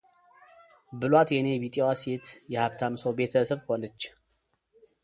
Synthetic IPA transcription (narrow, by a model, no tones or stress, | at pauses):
bɨlwat̪jɛnebit̪ʼewaset̪jɛhaβt̪ʰamsəwbe̞t̪ʰəsəβho̞nət͡ʃː